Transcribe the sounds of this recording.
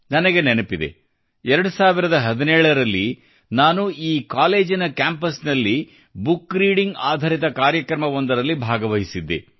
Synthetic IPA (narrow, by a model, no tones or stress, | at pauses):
nɐnɐɡe̞nenɐpid̪e̞̰ | ɛɾɐɽusaːʋiɾɐd̪ɐɦɐd̪inɛːɭɐɾɐlːi | naːnuiːkaːle̞ːd͡ʒinɐkaːmpɐsnɐlːi | bukːɾiːɽiŋɡaːd̪ʱaːɾit̪̬ɐkaːɾjɐkɾɐmɐʋond̪ɐɾɐlːibʱaːɡɐʋɐɦisid̪ːḛ